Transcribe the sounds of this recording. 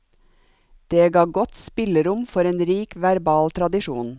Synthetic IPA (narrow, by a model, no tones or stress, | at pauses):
d̪̥eːɡɑːɡɔt̪spɪləɾʊmfɔɾeːnɾiːkʋæɾbɑːlt̪ʰɾɑd̪ɪʃuːn